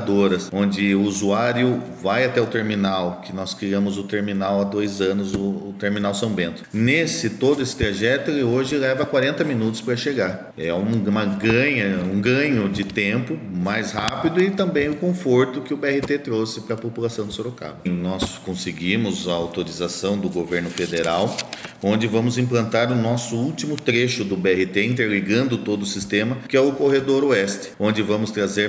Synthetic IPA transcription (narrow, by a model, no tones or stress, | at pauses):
d̪oɾɐsõnd͡ʒɪʊuzuaɾjʊ | vajat̪ɛʊt̪eɾminawkɪnɔskɾiɐ̃mʊzʊt̪eɾminawad̪ojzɐ̃nʊzʊʊt̪eɾminawsɐ̃mbẽnt̪ʊ̥nesɪt̪od̪ʊesɪ̥t̪ɾaʒɛt̪ʊɛlɪoʒɪlɛvɐkwaɾẽnt̪ɐmĩnut̪ʊspɾɐʃeɡaɾ | ɛũmɐɡɐ̃ɲɐũɡɐ̃ɲʊd͡ʒɪt̪ẽmpʊmajshapid̪ʊɪt̪ɐ̃mbẽj̃ʊkõfoɾt̪ʊkɪʊbeɛhɪt̪et̪ɾosɪpɾɐpopulasɐ̃w̃d̪ɪsoɾoka̰bʊnɔskõsɪɡimʊzɐawt̪oɾizasɐ̃w̃d̪ʊɡoveɾnʊfed̪eɾawõnd͡ʒɪvɐ̃mʊzĩmplɐ̃nt̪aɾʊnɔsʊuwtimʊt̪ɾeʃʊd̪ʊbeɛhɪt̪eĩnt̪̬eɾliɡɐ̃nd̪ʊt̪od̪ʊʊsist̪ẽmɐkɪɛʊkoɦed̪oɾoɛst̪ɪ̥õnd͡ʒɪvɐ̃mʊst̪ɾazeɾ